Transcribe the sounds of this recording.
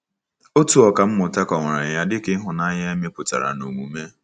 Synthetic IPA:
o˦tu˨ɔ˨ka˨m̩˦mʊ˨ta˦kɔ˨ŋʷa˨ɾa˨ja˦dɪ˦kɪ˦ɦʊ˨na˦ɲa˦e˦me˦pʊ˨ta̰˨ɾa̰˨no˨mṵ˨me˦

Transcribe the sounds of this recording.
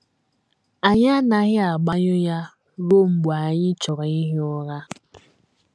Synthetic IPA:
a˨ɲa˦na˨ɣɪ˦a˨ɡ͡ba˦ɲʊ˦ja˦ | ɾo˦ŋ͡m̩˨ɡ͡ba˨ɲɪ˦t͡ʃɔ˨ɾa˨ɲi˦ɦʊ˦ɾa˦

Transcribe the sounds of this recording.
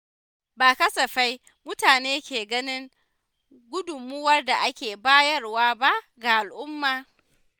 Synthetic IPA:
baː˨kɐ˦sɐ˨ɸa˦j | mʊ˦taː˨neː˦kʲeː˨ɡɐ˦nɪ˦ŋ | ɡʷʊ˦dʊ˨mːʊ˦wɐ˦rda˨ʔa˦kʲeː˨baː˦jɐ˦rwaː˦ba˦ʔ | ɡa˨ʔa˨lʔʊ˦mːaː˨

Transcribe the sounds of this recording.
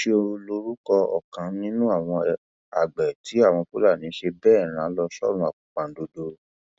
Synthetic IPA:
ʃe˧o˧lo˧ɾu˦kɔ˧ɔ̰˨kã˨˦nĩ˦nũ˦a˦˨w̃ɔ̃˧ | a˨ɡ͡bɛ˨tʰi˨˦a˦˨w̃ɔ̃˧fu˦la˦˨nĩ˨˦ʃe˧bɛː˦˨ɾ̃ãː˨˦lɔ˧ʃɔ̰˦ɾ̃ũ˧a˨k͡pũ˨k͡pã˨˦do˧do˧˦

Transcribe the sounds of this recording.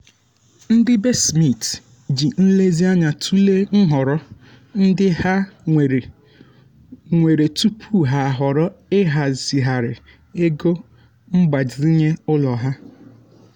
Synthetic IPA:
n̩˦dɪ˦be˦smi˦˨t | d͡ʒi˨n̩˦le˦zi˦a˦ɲa˨tʰu˦le˦ŋ̩˦ɦɔ˨ɾɔ˦ | n̩˦dɪ˦ha˦˨ | ŋʷe˨ɾe˨tu˦pʰu˦ɦa˨a˨ɦɔ˨ɾɔ˦ɪ˦ɦa˨z̥i˨ɦa˨ɾɪ˨ | e˦ɡo˦ | m̩˦ɡ͡ba˨d͡ʒi˨ɾi˦ɲe˦ʊ˦lɔ˨ɦa˦

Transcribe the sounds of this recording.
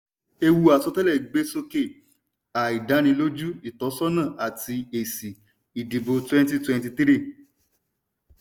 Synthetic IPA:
e˧wu˧a˨sɔ˧tɛ˦lɛ˦˨ɡ͡be˨˦so˧ke˦˨ | a˨i˨da˨˦nĩ˧lo˦d͡ʒu˦i˨tɔ˨˦sɔ˦nã˦˨ʔa˨ti˧e˨si˨ | i˨di˨bo˧twɛ̃˦nti˦twɛ̃˧n˦ti˧t̪ɾi˦˨

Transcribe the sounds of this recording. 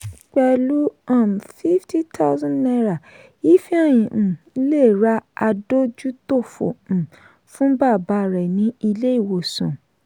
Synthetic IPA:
k͡pɛ˧lu˦ã˦˨m˨fi˦fti˦tʰa˦wzã˦nnɛ˧ɾa˨ | i˦fi˦a˦˨j̃ĩ˨˦ | le˦˨ɾa˦a˧do˦d͡ʒu˦to˦˨fõ̰˨ | fũ˦ba˦˨ba˨˦˨ɾɛ˨nĩ˦i˧le˦i˦˨wo˨sṵ̃˨

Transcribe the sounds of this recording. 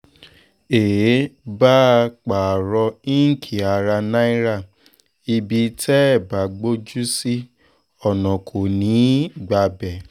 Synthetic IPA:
eː˨˦ba˦˧k͡pa˨ɾɔ˧i˦ŋ̩˦kʰi˨a˧ɾa˧nã˦i˦ɾa˦˨ | i˧bi˧tʰɛ˦ɛ˦˨ba˨˦ɡ͡bo˦d͡ʒu˦si˦ | ɔ˨nɔ̃˨kʰo˨nĩ˨˦ɡ͡ba˧bɛ˨

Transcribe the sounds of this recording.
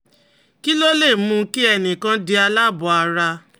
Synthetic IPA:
ki˦lo˦le˦˨mũ˧ki˦ɛ˦˨nĩ˨kã˧di˧a˧la˦bɔ̃˨a˧ɾa˧

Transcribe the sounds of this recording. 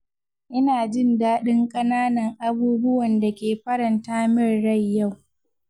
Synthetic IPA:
ʔɪ˦naː˨d͡ʒɪ˦ndaː˦ɗɪ˦ŋkʼɐ˦naː˦nɐ˨ŋʔa˦buː˦bʊ˦wɐ˨nda˨kʲeː˨ɸɐ˦ɽɐ˨ntaː˦mɪ˦rːɐ˦jːa˦˨w

